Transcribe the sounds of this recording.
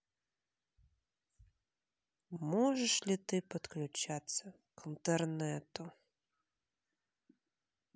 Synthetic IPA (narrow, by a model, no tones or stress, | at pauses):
mɔʐɛʂlʲit̪ɨpɐt̪klʲʊt͡ʃat̪sʲɐ | kint̪ɛrnɛt̪ʊ